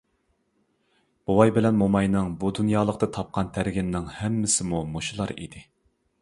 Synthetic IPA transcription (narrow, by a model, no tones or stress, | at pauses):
b̥uwɑjbɪlɛnmomɑjnɨŋbud̪unjɑːlˠəqt̪ɨt̪ʰɑp̚qʰɑnt̪ʰæɾɡʲɪnnɪŋhɛmːɪsɪmumoʃulˠɑɾḭd̪ɪ